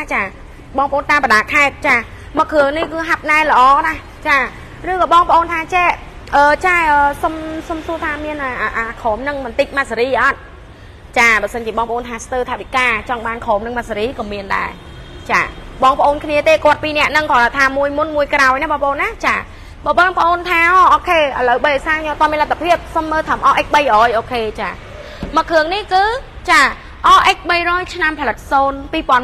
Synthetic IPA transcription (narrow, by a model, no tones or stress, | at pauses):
t͡ɕaː | ɓɑːŋpə̆ʔoːnt̪aːmpə̆ɗaːkʰaɛt̪̚t͡ɕaː | məkʰːɨəŋnihkɨːɦap̚naɛlə̆ʔɑːnah | t͡ɕaː | rɨːkɔːɓɑːŋpəʔoːnt̪ʰaːt͡ɕɛʔ | ʔəːt͡ɕaːʔəːsomsomsuət̪ʰaːmiənʔaʔaʔaːkʰoːmnɨŋmɨnt̪ɨc̚mat̪saɾiːʔɑt̪̚ | t͡ɕaːɓaːsənt͡ɕiəɓɑːŋpəʔoːnt̪ʰaːst̪əːt̪ʰaʔʋikaːt͡ɕɑŋɓaːnkʰoːmnɨŋmat̪̚saɾiːkɑːmiənɗa̰ɛ | t͡ɕa̰ːɓɑːŋpə̆ʔoːnkʰniət̪eːkŏət̪̚piːnɛ̆əʔnɨŋkɑlt̪ʰaːmuəjmunmuəjkrawjnaːhɓɑːŋpəʔoːnːaːt͡ɕaː | ɓɑːɓɑːŋpə̆ʔoːnt̪ʰaːʔɑːʔoːkʰeːʔələwɓəjəjsaːɲɔt̪oəmiənlat̪ʰːapʰiəp̚somːəːlt̪ʰaːmʔɑːʔək̚ɓəjʔoːjʔoːkʰeːt͡ɕaː | məkʰːɨəŋnihkɨː | t͡ɕaː | ʔɑːʔək̚ɓəjrɔːjt͡ɕʰnampʰɑlɨt̪̚soːnpiːpŏən